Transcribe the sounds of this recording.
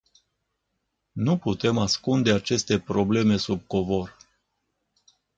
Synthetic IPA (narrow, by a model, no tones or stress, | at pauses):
nuput̪e̞maskund̪e̞at͡ʃe̞st̪e̞pɾo̞ble̞me̞sub̚ko̞vo̞r